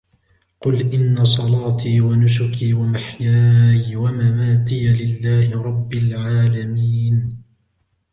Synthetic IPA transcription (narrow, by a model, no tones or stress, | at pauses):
qʊlʔɪnːasˤɑlɑːt̪ʰiːwanʊs̬ʊkʰiːwamaħjaːjwamamaːt̪ɪjalɪlːaːhɪɾˤɑbːɪlʕaːlamiːn